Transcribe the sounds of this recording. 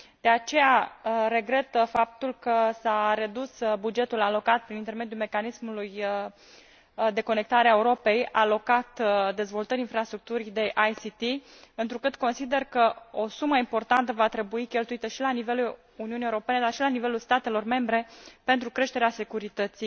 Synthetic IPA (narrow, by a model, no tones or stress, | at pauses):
d̪̥e̞at͡ʃe̞jaɾe̞ɡɾe̞t̪fap̚t̪ulkəsaɾe̞d̪usbud͡ʒe̞t̪ulalo̞kat̪̚pɾinint̪e̞rme̞d̪julme̞kanismuluj | d̪e̞ko̞ne̞k̚t̪aɾeaeuɾo̞pe̞jalo̞kat̪d̪e̞zvo̞lt̪əɾʲinfɾast̪ɾuk̚t̪uɾid̪e̞ʔajsit̪iɨnt̪ɾukɨt̪ko̞nsid̪e̞rkəo̞suməimpo̞rt̪ant̪əvat̪ɾe̞buikʲe̞lt̪uit̪əʃilanive̞lu | uniunijeuɾo̞pe̞ne̞d̪arʃilanive̞lulst̪at̪e̞lo̞rme̞mbɾe̞pe̞nt̪ɾukɾe̞ʃt̪e̞ɾease̞kuɾit̪ət̪sij